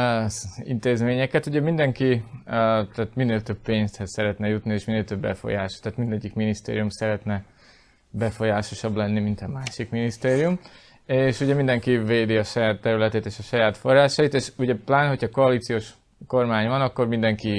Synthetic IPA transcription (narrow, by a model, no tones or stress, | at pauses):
ḭnt̪eːzmeːɲɛkɛt̪uɟɛmind̪ɛŋki | t̪aːt̪mineːlt̪ø̞b̚peːɲst̪hɛssɛɾɛt̪nɛjut̪nieːʃmineːlt̪øbːɛ̰fo̰jaːʃt̪aːt̪mind̪ɛɟːikminist̪ḛːɾijumsɛɾɛt̪nɛ | bɛfo̞jaːʃo̞ʃɒblɛnːimint̪ɒmaːʃikminist̪eːɾijum | eːʃuɟɛmind̪ɛŋkiveːd̪iɒʃɒjaːt̪ːɛɾylɛt̪eːt̪eːʃɒʃɒjaːt̪fo̞rːaːʃɒjit̪eːʃuɟɛplaːnho̞cʰhɒko̞ɒliːt̪sijoːʃ | ko̞rmaːɲvɒnɒkːo̞rmind̪ɛŋki